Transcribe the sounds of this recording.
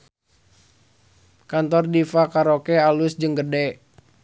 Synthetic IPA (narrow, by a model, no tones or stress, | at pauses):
kant̪ɔrdifakaɾokɛalusd͡ʒəŋɡədɛ